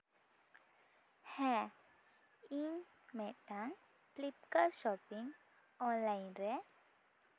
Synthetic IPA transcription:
hɛ̃ | in | mɛ̃t̪aŋ | plip̚kəɾʃɔpiŋ | ɔnlajnɾɛ

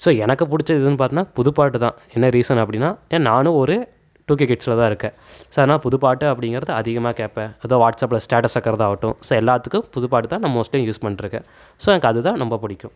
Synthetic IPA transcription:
soːɛnɐkːɯpʊɽɪt͡ʃːɐɪðɯnːɯp̬aːɾt̪ɪnːaːpʊðɯpaːʈːɯt̪ãː | ɛnːɐɾiːsɐnɐp̬ːɐɽɪnːaːenaːnʊ̃ɔɾɯ | ʈuːk̬ekɪʈsɪlɐt̪ãːɪɾɯkːɛ̃ː | soːɐðɐnaːlpʊðɯpaːʈːɯɐpːɐɽɪŋɡɪɾɐðɯɐðɪɣɐmaːkeːpẽɐðoːʋaːʈsɐpːɪlɐsʈaːʈɐsɐkːɐɾɐðãaːʋɐʈːʊ̰̃soːɛlːaːt̪ːɯkːʊ̃pʊðʊpaːʈɯt̪ãːnɐmɐmoːsʈɐjʊ̃juːspɐɳːɪɾɯkːɛ̰̃ | soːɛnɐkːɐðɯt̪ãːnɔmbɐpʊɽɪkʲːʊ̃

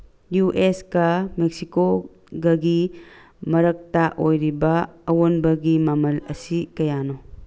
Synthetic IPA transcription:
juʔeskɐmek̚siko | ɡɐɡi | mɐɾɐk̚taʔojɾibɐːwonbɐɡimamɐlɐsikɐjano

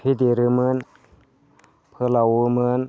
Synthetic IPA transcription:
pʰid̪iɾɯmɯn | pʰɯlawumɯn

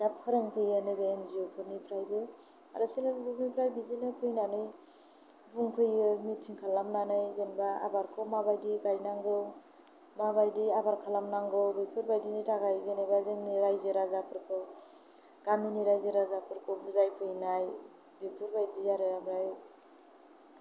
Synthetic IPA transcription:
dapʰɯɾɯŋpʰɯjɯnɯbenzijopʰɯɾnipʰɾajbɯ | a̰ɾɯsilabuŋipʰɾajbizinɯpʰɯjnanɯj | buŋkʰɯjɯmit̚sʰiŋkʰalamnanɯjzenbaa̰baɾkʰɯwmabajdiɡajnaŋɡɯw | mabajdiabaɾkʰalamnaŋɡɯwbɯpʰuɾbajdinitaɡajzenajbazɯŋniɾajzɯɾazapʰɯɾkʰɯw | ɡaminiɾajzɯɾazapʰɯɾkʰɯwbuzajpʰɯjnaj | bipʰɯɾbajdiaɾɯabɾaj

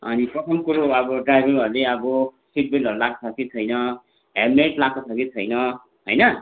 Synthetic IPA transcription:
ʌ̰nipʌt̪ʰʌmkuɾuʌbʌɖrajɾeɾʌɾuleʌbʌ | siʈ̚belʌɾulako̥sʰʌkit͡sʰʌjnʌ | ɦemeʈlakosʰʌkit͡sʰʌjnʌ | ɦojnʌ

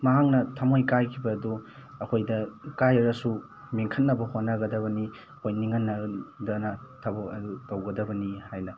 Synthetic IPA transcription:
mɐɦaŋnɐtʰamojkajkʰibɐːduɐkʰojdɐkajɐɾɐsu | meŋkʰɐt̚nɐbɐhonːɐɡɐdɐbɐni | hojniŋɐnːɐdɐnɐtʰɐboɐdutɐwɡɐdɐbɐnihajnɐ

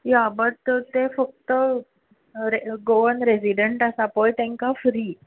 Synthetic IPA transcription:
jabəʈt̪efək̚t̪ə | ɾeɡoənɾesiɖəɳʈasapojt̪ãŋkafɾiː

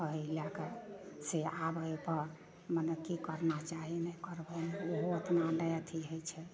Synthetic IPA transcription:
əɦilakəseabəepəɾ | mənəkikəɾnat͡ʃaɦinɛkəɾbəneoɦoət̪naɖəjt̪ʰiɦəjt͡ʃʰɛ

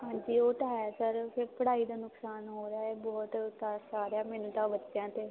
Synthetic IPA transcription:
hãːɲd͡ʒiːoːʈaːjaːsəɾpʰɪɾpəɽaːiːd̪aːnʊksaːnɦoːɾeaːɛːbɔːt̪t̪asaːɾjaːmɛːnũːt̪ãːʋətːʃjãːt̪eː

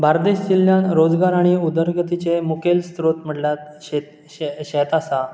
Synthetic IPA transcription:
bʱaɾd̪eɕd͡ʑilːjanɾod͡zɡaɾaɽ̃iud̪əɾɡət̪it͡semukelst̪ɾot̪m̤əɽljat̪ɕet̪ | ɕet̪asa

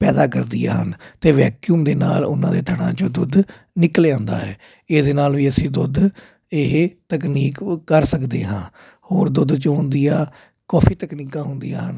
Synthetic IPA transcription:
pɛːd̪aːkəɾd̪ɪja̰ːɦənt̪eːʋɛːkjuːmd̪eːnaːlʊnãːd̪eːt̪ʰəɽã̰ːt͡ʃod̪ʊd̪ | nɪkleːãːnd̪a̰ːɦɛː | ɪd̪eːnaːlʋiːəsĩːd̪ʊd̪ | eɦt̪əkniːkːəɾsəkd̪eːɦãː | hoːɾd̪ʊd̪t͡ʃõnd̪ijaː | kɔːfiːt̪əkniːkãːɦʊnd̪ḭja̰ːɦən

